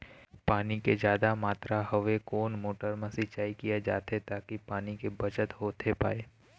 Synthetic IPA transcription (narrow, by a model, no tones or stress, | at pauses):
paːniked͡ʒjaːd̪amaːt̪ɾaɦɐʋekoːnmoːʈəɾmãsɪt͡ʃaːikijad͡ʒa̰ːt̪et̪aːkipaːnikebɐt͡ʃət̪ɦoːt̪ʰepa̰ːeː